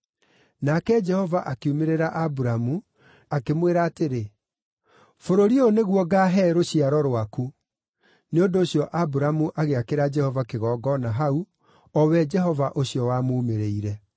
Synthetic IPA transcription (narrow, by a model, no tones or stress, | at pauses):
nakɛd͡ʒɛhɔvaʔakeumeɾeɾaʔabuɾamu | akemweɾaːteɾe | foɾoɾioneɣwɔɡaɦɛɾoɕiaɾɔɾwaku | neondoːɕjɔʔabuɾamuʔaɣeakeɾad͡ʒɛhɔvakeɣɔːɡɔnaɦau | ɔwɛd͡ʒɛɦɔvaʔoɕjɔwamoːmeɾeiɾɛ